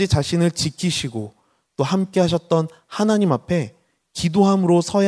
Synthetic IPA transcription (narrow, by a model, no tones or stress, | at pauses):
it͡ɕaɕʰinɯɭt͡ɕikʰiɕʰiɡo | t͈ohamk͈e̞ɦaɕ̬ʰʌt̚t͈ʌn | hanaɲimapʰe̞ | kidoɦamɯɾosʰʌj